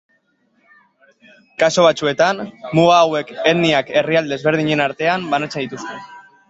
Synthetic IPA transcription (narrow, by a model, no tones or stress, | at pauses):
kaso̞βat͡sue̞t̪anmuɣaːwe̞keniake̞riald̪ezβ̞e̞ɾð̞iɲe̞naɾt̪e̞ambanat͡sed̪it̪ust̪e̞